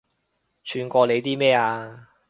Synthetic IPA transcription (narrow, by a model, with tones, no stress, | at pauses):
t͡ʃʰyː˨˧nkʷɔː˧le˨˧jt̪iː˥mɛː˥˩aː˧